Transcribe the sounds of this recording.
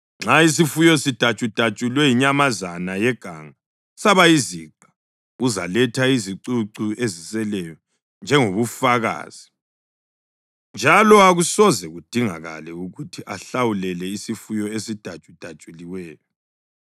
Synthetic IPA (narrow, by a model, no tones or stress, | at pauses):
ŋ͡ǁais̬ifujɔsid̥ʱat͡ʃʼud̥ʱat͡ʃʼulwɛjiɲamazanajɛɡ̥ʱa̰ŋa | saβaiziǃa | uza̰lɛtʰaiziǀuǀuezisɛlɛjɔ | nd͡ʒʱɛŋoβufaɣa̰ːz̥i | nd͡ʒʱalɔaɣusɔzɛɣud̥ʱiŋa̰ɣa̰lɛuɣutʰiʔaɬawulɛlɛisifujɔesid̥ʱḁt͡ʃʼud̥ʱḁt͡ʃʼuliwɛːjɔ